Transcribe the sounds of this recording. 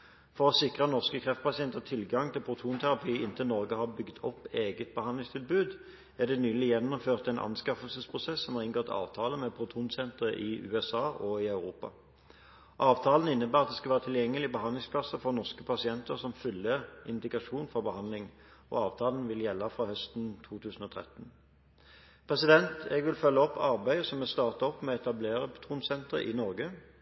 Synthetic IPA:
fɔʁɔsɪkʁənɔʁskəkʰʁɛft̪pɑsɪɛnt̪ət̪ʰɪlɡɑŋt̪ʰɪlpʰʁʊt̪ʰuːnt̪ʰæʁɑpʰiːɪnt̪ənɔʁɡəhɑbʏɡd̪ʰɔpːeːɡət̪̚bəhɑnlɪŋst̪ʰɪlbʉːd̪ | æd̪ɛnyːlɪjɛnːʊmføːʁt̪ɛnʔɑ̰nskɑfəlsəspʰʁʊsɛsːɔmhɑːʁɪnɡɔt̪ʰɑ̰ːʋt̪ʰɑːləmɛpʰʁʊt̪ʰuːnsɛnt̪ʁəʔɪʔʉ̰ːɛsɑːʔɔɪɑʉʁuːpɑ̰ | ʔɑːʋt̪ʰɑːlən̩ɪnːəbæːʁɑt̪d̪ɛskɑʋæːʁət̪ʰɪljɛŋːəlɪbəɦɑnd̪lɪŋspʰlɑsəfɔʁnɔʁskəpʰɑsɪɛnt̪əʁsɔmfʏlːəʁɪnd̪ɪɡʁɑʂuːnfɔʁbəhɑnlɪŋʔɔ̰ɑːʋt̪ʰɑːln̩ʋɪljɛlːɑfʁɑhœst̪n̩t̪ʰuːt̪ʰʉːsn̩ɔt̪ʰʁɛ̰t̪n̩ | pʰʁɛsɪd̪ɛnt̪ɛɡʋɪlfœlːəɔpːɑɾbæɪəsɔmɛst̪ɑːʁt̪əɔpmɛɛt̪ɑbleːɾəpʰʊ̥t̪ʰuːnsɛnt̪ʁə̰ʔɪnɔʁɡə

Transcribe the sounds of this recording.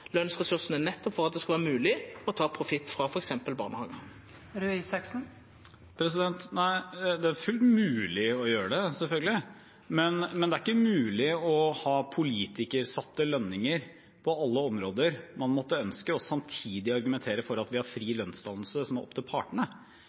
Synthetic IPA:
lœnsʁɛsʉʁsən̩ænɛt̪ːɔpfɔɾʁɑt̪̚d̪ɛskɑʋæːʁmʉːlɪɔt̪ʰɑːpʰɾʊfɪt̪ːfɾɑfɔɾɛksɛmpəlbɑ̰ːʁnəhɑ̰ːɡə | ɾʉiːsɑksn̩ | pʰɾɛs̬ɪd̪ɛnt̪næɪd̪ɛæɾfʉlt̪mʉːlɪɔjøːɾəɖ̪ɛsɛlfœlɡəlɪ | mɛnmɛnd̪ɛæɾɪkːəmʉːlɪɔhɑːpʰʊliːt̪ɪkəɾsɑt̪ːəlœnːɪŋəɾ | pʰɔɑlːəɔmɾoːd̪əɾmɑnmɔt̪ːəœnskəɔsɑmt̪ʰiːd̪ɪɑɾɡʉmɛnt̪ʰeːɾəfɔɾɑt̪ʋɪhɑɾfɾiːlœnst̪ɑnl̩səsɔmɑɾɔ̰pːt̪ʰɪlpʰɑ̰ʈəɳə

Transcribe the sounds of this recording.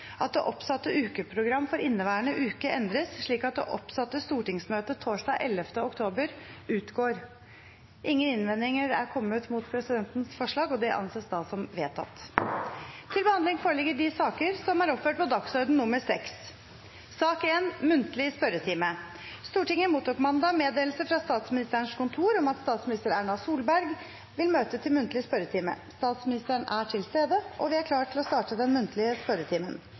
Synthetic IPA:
ʔɑt̪̚d̪ɛʔɔpsɑt̪ːəʔʉːkəpʰɾʊɡɾɑmːfɔɾɪnːəʋæːəɳəʔʉːkəɛnd̪ɾəsʂɭiːkɑt̪̚d̪ɛ̰ʔɔpsɑt̪ːəst̪uːʈɪŋsmøːt̪ət̪ʰoːʂɖɑːʔɛlːəft̪əʊkt̪ʰoːbəɾʉːt̪ɡoːɾ | ʔɪŋːənɪnʋɛnd̪ɪŋəɾæ̰ɾkʰɔmːət̪muːt̪pʰɾɛsɪd̪ɛnt̪n̩sfɔʂɭɑːɡɔd̪ɛʔɑ̰nseːsd̪ɑːsɔmʋeːt̪ʰɑ̰t̪ | t̪ʰɪlbəhɑnd̪ɪŋfoːɾəɭɪɡəɖɪsɑːkəɾsɔmæɾɔpføːʈ̚pʰɔd̪ɑksɔɾd̪n̩nːʊməɾsɛksː | ɑːkeːnmʉnt̪əlɪspœɾət̪ʰiːmə | st̪uːʈɪŋəmuːt̪uːkmɑnd̪ɑmeːd̪eːlsəfɾɑst̪ɑːt̪smɪnɪst̪əəɳʂkʊnt̪ʰuːɾɔmɑt̪st̪ɑːt̪smɪnɪst̪əɾæɳɑsuːlbæɾɡ | ʋɪlmøːt̪ət̪ʰɪlmʉnt̪lɪəspœɾət̪ʰiːmə̰st̪ɑːt̪smɪnɪst̪əəɳæʈʰɪlst̪eːd̪əʔɔ̰ʋɪæɾkʰlɑːʈʰɪlɔst̪ɑːʈəd̪ɛnmʉnt̪ʰlɪəspœɾət̪ʰiːmən

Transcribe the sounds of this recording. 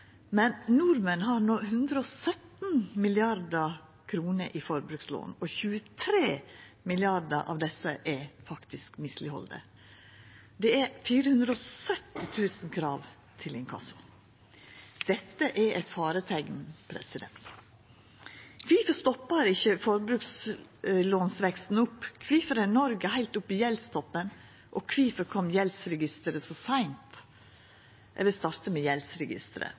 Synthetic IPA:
mɛnnuɾmənhɑɾnɔːhʉnd̪ɾəɔsœt̪nmɪlɪɑɾd̪ə | kʰɾuːnəɾʔifɔɾbɾʉkslo̰ːnɔçʉːət̪ʰɾeː | mɪlɪɑɾd̪əʔɑ̰ʋd̪ɛsəʔɛfɑkt̪ɪskmɪslɪhɔ̰ld̪ə̰ | d̪ɛæfiːɾəhʉnd̪ɾəɔsœt̪ːɪt̪ʰʉːsənkʰɾɑːʋ | t̪ʰɪlɪnkʰɑ̰sʊ | d̪̥ɛt̪ːəʔɛɾʔɛt̪fɑːɾət̪ʰɛɡnpʰɾɛ̰sɪd̪ɛ̰nt̪ | kʰʋiːfəst̪ɔpːəɾɪçːəfɔɾbɾʉks | loːnsʋɛkst̪n̩ʊpːkʰʋiːfəɾənɔɾɡəhæɪlt̪ʊpːijɛlst̪ɔpːən | ʔɔkʰʋiːfəɾkʰɔmjɛlsɾɛɡɪst̪əɾəsɔsæɪnt̪ | ʋɪst̪ɑɾt̪əmejɛlsɾɛɡɪ̰st̪əɾə̰

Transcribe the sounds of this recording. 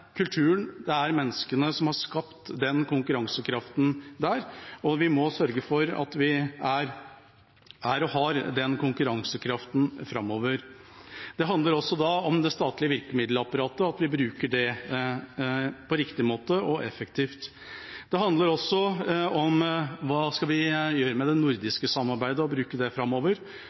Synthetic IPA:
kʰʉlt̪ʰʉːənd̪ɛæɾmɛnːəskənəsɔmhɑʂkɑpt̪d̪ɛnkʊŋkʉɾɑŋsəkʰɾɑft̪n̩d̪æːɾɔʋɪmɔsœɾɡəfɔɾɑ̰t̪ʋɪæɾ | ʔæɾɔɦɑɾd̪ɛnkʊŋkʉɾɑŋsəkʰɾɑft̪n̩fɾɑmːoːʋəɾ | d̪̥ɛɦɑnd̪əɾɔsːɔd̪ɑɔmd̪ɛst̪ɑːt̪lɪəʋɪɾkəmɪd̪ləɑpɑɾɑːt̪əɑt̪ʋɪbɾʉːkəɖɛ | pʰɔɾɪkt̪ɪmoːt̪əɔʔɛfəkt̪ʰiːft̪ | d̪̥ɛɦɑnd̪ləɾɔsːɔɔmʋɑːskɑlʋɪjøːɾəmɛd̪ɛnʊɾd̪ɪskəsɑmːɑɾbæɪd̪əɔbɾʉːkəɖ̪ɛfɾɑmːoːʋəɾ

